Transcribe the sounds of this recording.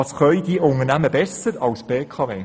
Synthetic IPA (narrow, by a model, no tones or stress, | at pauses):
ɑsχœʏd̥iʔʊnənæməbɛsəɾɑlsb̥eːkʰɑveː